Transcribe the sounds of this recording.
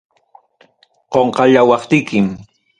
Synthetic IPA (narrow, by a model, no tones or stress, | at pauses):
qoɴqɑʎawɑχt̪ɪkɪm